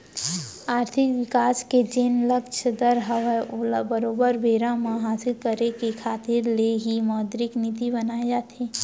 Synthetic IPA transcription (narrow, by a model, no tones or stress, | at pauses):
aːɾt̪ʰɪkʋɪkaːsked͡ʒeːnləkt͡ʃʰəd̪əɾɦəʋɛbəɾoːbəɾʋeːɾãmãɦaːsɪlkəɾekekʰaːt̪ɪɾleɦimɔːd̪ɾɪknit̪ibənaːed͡ʒaːt̪ʰeː